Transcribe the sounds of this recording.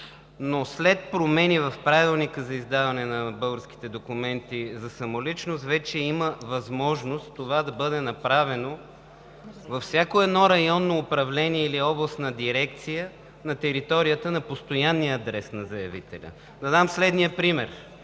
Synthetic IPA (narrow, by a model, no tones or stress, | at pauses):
noslɛt̪̚pɾomɛnivɐfpɾavilˠnikəzɐizd̪avɐnɛnɐbɤlˠɡəɾsk̟i̥t̪ɛd̪okumɛnt̪izɐsɐmolit͡ʃnost̪vɛt͡ʃɛiməvɐzmɔʒnost̪t̪ːovad̪ɐbɤd̪ɛnɐpɾavɛno | vɐfsʲjakoɛd̪nɔɾɐjɔnːoːpɾɐvlɛniɛiliɔblˠəst̪nɐd̪iɾɛkt̪sijə | nɐt̪ɛɾit̪ɔɾijət̪ənɐpost̪ojanːijəːd̪ɾɛsnɐzɐjɐvit̪ɛ̰lʲə̰ | d̪ɐd̪amslɛd̪nijəpɾimɛɾ